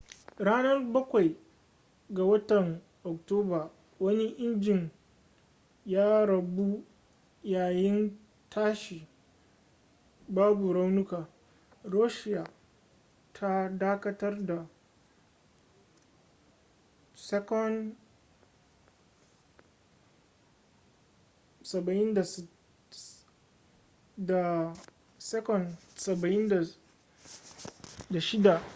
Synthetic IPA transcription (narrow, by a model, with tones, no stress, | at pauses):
ɽaː˦nɐ˦rbɐ˦kʷa˨j | ɡa˨wɐ˦tɐ˨ŋ | ʔɔ˨k̚toː˦baː˨ | wɐ˦ni˦ʔɪ˦nd͡ʒɪ˨ɲ | jaː˦ɾɐ˨bu˦ | jaː˨jɪ˦n | tʰaː˦ʃiː˨ | baː˦bu˨ɾa˦wnʊ˦kaː˨ | ɾoː˦ʃɪ˦jaː˨ | tʰa˦daː˦kɐ˦tɐ˦rda˨ | sɛ˦kɔ˦n | sɐ˨bɐ˨ʔɪ˦nda˨ | da˨ | sɛ˦kɔ˨nsɐ˨bɐ˨ʔɪ˦nda˨ | da˨ʃɪ˦da˨